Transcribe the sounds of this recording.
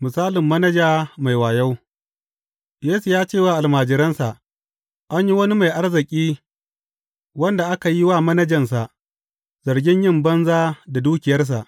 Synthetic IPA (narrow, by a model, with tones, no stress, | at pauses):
mʊ˨saː˦lɪ˨mːɐ˦nɐ˦d͡ʒaː˦ma˨jwaː˨ja˦w | jeː˦su˨jaː˦t͡ʃeː˦˨waː˦ʔa˨lmaː˨d͡ʒɪ˨ɾɐ˦nsa˨ʔ | ʔa˦ɲji˦wɐ˦ni˦ma˨jʔa˦rzɪ˨kʲʼiː˦ | wɐ˦nda˨ʔa˦ka˨ji˦waː˦˨mɐ˦nɐ˦d͡ʒɐ˨ns̬a˨ʔ | z̥ɐ˨rɡʲɪ˦ɲjɪ˦˨mbɐ˦nzaː˦da˨duː˦kʲɪ˨jɐ˦rs̬a˨ʔ